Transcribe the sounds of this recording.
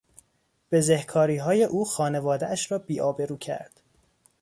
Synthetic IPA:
b̥e̞zehkʰɒːɾiːɦɒːje̞ʔuːxɒːne̞vɒːd̪eæʃɾɒːbiːʔɒːbe̞ɾuːcʰæ̰ɾd̪̥

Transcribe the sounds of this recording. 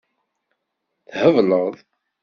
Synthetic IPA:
θhəvləʁðˤ

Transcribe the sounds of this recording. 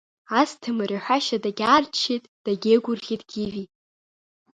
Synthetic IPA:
astʰɨmɨraħʷᶣaʃadaɡʲaːrt͡ʃʰːitʼd̥aɡʲeɡʷʊrχʲitʼɡ̥ʲivi

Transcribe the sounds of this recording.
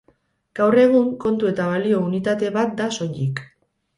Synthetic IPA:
ɡ̥awre̞ɣ̞uŋko̞nt̪ue̞t̪aβalio̞unit̪at̪e̞βat̪̚d̪aso̞ʎik

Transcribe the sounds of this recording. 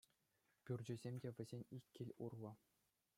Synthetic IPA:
pʲurʲd͡ʑɘ̆zʲemʲdʲeʋʲɘ̆zʲenʲikʲːilʲṵrlˠɤ̆

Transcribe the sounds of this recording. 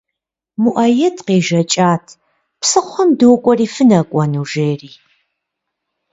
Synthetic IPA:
muʔɐjɛtʰqeːʒɐt͡ʃʼaːtʰ | psɨχʷɔmdɨwkʷʼɔriːfɨnɐkʷʼɔnuːʒeːriː

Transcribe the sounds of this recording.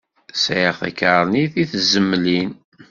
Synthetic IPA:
sjəʁθæ̰kəɾˤniθiθzəmːlin

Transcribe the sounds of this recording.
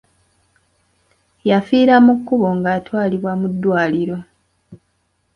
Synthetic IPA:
jafiːɾamukːuβo̞ŋɡaːtwaːliβwamud̪ːwaːliɾo̞

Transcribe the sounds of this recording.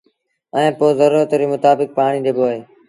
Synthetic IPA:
ɛ̃ːpoːzəɾuːət̪ɾiːmʊt̪aːbɪk̚paːɳ̃iːd̪eːboːɦeː

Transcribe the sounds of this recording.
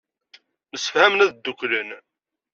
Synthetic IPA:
məsːə̥fhæmnæðd̪ːuklən

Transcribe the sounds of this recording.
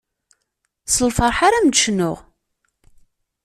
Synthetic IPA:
səlfəɾˤħaɾæmd̪ʃnʊʁ

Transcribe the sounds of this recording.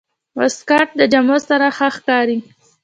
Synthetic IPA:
waskɑʈ̚d̪əd͡ʒamosaɾaxəxkɑɾi

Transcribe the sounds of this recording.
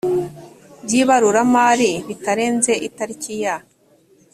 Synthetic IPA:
bɟiβaɾuɾamaːɾiβitaɾe̞ːnze̞ʔitaɾicija

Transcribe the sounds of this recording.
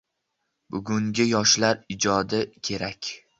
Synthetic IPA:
bʊɡʊŋɡʲɪjɒʃlaɾɪd͡ʒɒd̪ɪkʲʰe̞ɾakʲ

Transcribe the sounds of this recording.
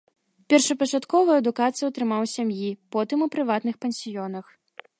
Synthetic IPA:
pʲɛrʂɐpɐt͡ʂat̪kɔvɐjɐd̪ukat̪sɨjuɐt̪ɾɨmawsʲamjipɔt̪ɨmupɾɨvat̪nɨxpɛnʲsʲijɔnɐx

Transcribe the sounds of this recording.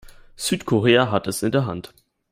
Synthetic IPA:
z̥yːtkʰoʁeːaɦatɛsɪndeːɐɦa̰nt

